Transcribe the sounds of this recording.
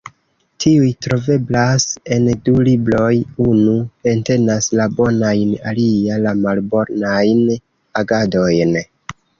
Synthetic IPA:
tʰiujtɾo̞ve̞blase̞ndulibɾo̞junue̞nte̞naslabo̞najnalialamalbo̞ɾnajn | aɡado̞jn

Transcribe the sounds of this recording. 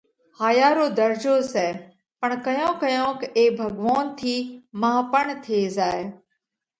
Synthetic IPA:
haːjaːɾoːd̪əɾd͡ʒoːsɛː | pəɳkəjõːkəjõːkeːbʱəɡʋaːnt̪ʰiːmaɦpəɳt̪ʰeːzaːeː

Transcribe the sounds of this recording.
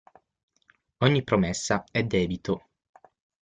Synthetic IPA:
ɔɲːipːɾomesːaɛd̪ɛːbit̪o

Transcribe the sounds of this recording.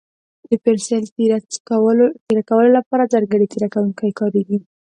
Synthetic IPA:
d̪̥əpeɾselt̪akwt̪eɾakawəlolapɑɾazɑɾɡəɽet̪eɾakawuŋkajkɑɾeɡi

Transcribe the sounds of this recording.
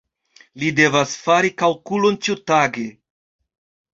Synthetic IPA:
lide̞vasfaɾikalkulont͡ʃiutaɡe

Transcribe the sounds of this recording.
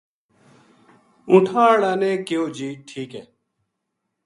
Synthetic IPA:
ũʈʰaːɽaneːkeoːd͡ʑiːʈʰiːkeː

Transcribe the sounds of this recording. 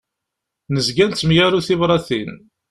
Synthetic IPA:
nəzɡænt͡s̪ːmjæɾuθɪvɾˤɑθḭn

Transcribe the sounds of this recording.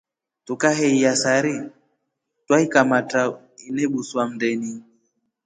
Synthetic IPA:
tukaɦɛiasaɾi | twaikamata | inɛɓuswam̩dɛni

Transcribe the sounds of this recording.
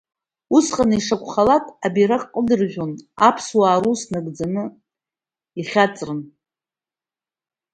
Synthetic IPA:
usqʼanɨiʂakʷʰʼχalakʼabiɾaqʼqʼːədɨrʒʷᶣonapʰswaːɾusnɨɡd͡zanɨ | iχʲat͡sʼrɨn

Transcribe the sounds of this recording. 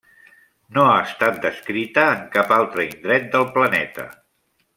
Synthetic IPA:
noaəst̪at̪̚d̪əskɾit̪əːŋkapalˠt̪ɾəind̪ɾɛt̪̚d̪əlˠplənɛt̪ə̰

